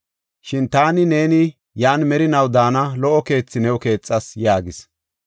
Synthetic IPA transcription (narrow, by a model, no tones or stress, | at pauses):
ʃɪnt̪aːnɪne̞ːnɪ | jaːnmɛɾɪnɐwd̪aːnɐlɔʔɔke̞ːt͡sːɪnɛwɔke̞ːt͡sʼːɐsjaːɡɪs